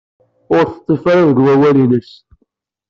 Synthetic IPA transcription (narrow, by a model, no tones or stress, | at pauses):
ʊɾθə̥t̪ˤːefaɾaðəɡwæwælinəs